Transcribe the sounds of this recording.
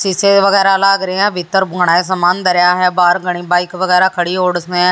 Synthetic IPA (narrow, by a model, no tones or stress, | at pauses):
sɪseːʋəɡɛːɾaːlaːɡɾeːãːbʱɪt̪ːəɾbʱʊɳaːes̬əmaːnd̪əɾɪjaːɦɛːbaːɾɡəɽ̃iːbaːɪikʋəɡɛːɾaːkʰəɽiːɦoːɽəsnẽː